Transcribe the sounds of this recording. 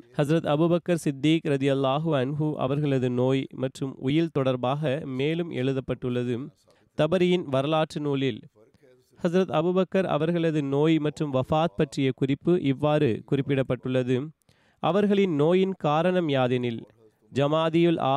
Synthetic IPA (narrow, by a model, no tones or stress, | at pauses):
hɐzɾɐt̪ɐbuːbɐkːɐɾsɪd̪ːiːkɾɐðɪjɐlˠːaːɦɯɐnɦɯʔɐ̰ʋɐɾɣɐɭɐðɯnoːjmɐʈrɯmʊjɪlt̪ɔɽɐɾbaːɣɐmeːlɯmʔɛ̰ɻɯðɐpːɐʈːɯɭːɐðɯ | t̪ɐbɐɾɪjɪnʋɐɾɐlaːʈrɯnuːlɪl | hɐzɾɐt̪ɐbuːbɐkːɐɾɐ̰ʋɐɾɣɐɭɐðɯnoːjmɐʈrɯmʋɐfaːt̪̚pɐʈrɪjɐkʊrɪpːɯʔɪʋːaːɾɯkʊrɪpːɪɽɐpːɐʈːɯɭːɐðɯ | ʔɐʋɐɾɣɐɭɪnnoːjɪnkaːɾɐɳɐmjaːðɪnɪl | d͡ʒɐmaːðɪjɯlʔa̰ː